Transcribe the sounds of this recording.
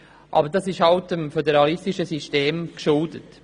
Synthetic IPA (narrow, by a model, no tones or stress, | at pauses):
ʔɑ̰ːbəɾdɑsɪʃhɑltəmfɛdɛɾɑlɪstiʃəsisteːmkʃʊldət